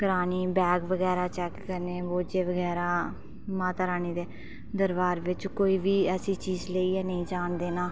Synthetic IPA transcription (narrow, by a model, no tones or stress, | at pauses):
kəɾaːniːbɛːɡʋəɡɛːɾaːt͡ʃɛːkːəɾneːʋoːd͡ʒeːʋəɡɛːɾaː | mãːt̪aːɾaːniːd̪eː | d̪əɾʋaːɾʋɪt͡ʃkoːiːʋiːɛːsiːt͡ʃiːzleiːɛːnəĩːd͡ʒaːɳd̪eːnaː